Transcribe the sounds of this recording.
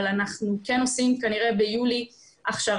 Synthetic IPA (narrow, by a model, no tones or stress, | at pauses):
lanaχnuke̞no̞simkaniʁe̞bejuli | ʔaχʃa